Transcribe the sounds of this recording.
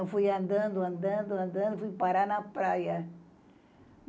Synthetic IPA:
w̃fujɐ̃nd̪ɐ̃nd̪ʊɐ̃nd̪ɐ̃nd̪ʊɐ̃nd̪ɐ̃nd̪ʊfujpaɾanɐpɾajɐ

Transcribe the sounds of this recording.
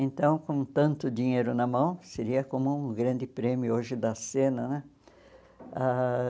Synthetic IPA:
ẽnt̪ɐ̃w̃kõt̪ɐ̃nt̪ʊd̪iɲejɾʊnɐmɐ̃w̃seɾiɐkõmʊũɡɾɐ̃nd̪ɪpɾẽmjʊoʒɪd̪ɐsẽnɐnɛ | a

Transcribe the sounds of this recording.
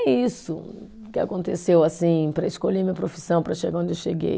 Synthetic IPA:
ɛisʊ | kɪa̰kõnt̪esewasĩpɾɐiskoʎemĩɲɐpɾofi̥sɐ̃w̃pɾɐʃeɡaõnd͡ʒewʃeɡḛj

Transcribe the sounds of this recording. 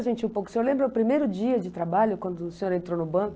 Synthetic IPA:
ʒẽnt͡ʃɪũpowkʊseolẽmbɾɐʊpɾimejɾʊd͡ʒiɐd͡ʒɪt̪ɾabaʎʊkwɐ̃nd̪ʊseɲoɾẽnt̪ɾonʊbɐ̃k

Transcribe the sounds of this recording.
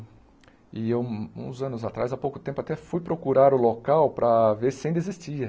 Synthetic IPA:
ɪewṵ̃zɐ̃nʊzat̪ɾazapowkʊ̥t̪ẽmpʊat̪ɛfujpɾokuɾaɾʊlokawpɾɐveɾsẽj̃d̪ezist͡ʃiɐ

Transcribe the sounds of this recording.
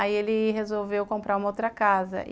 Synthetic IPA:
aielɪɦezowvewkõmpɾaɾũmɐowt̪ɾɐkazɐ̰ʔ

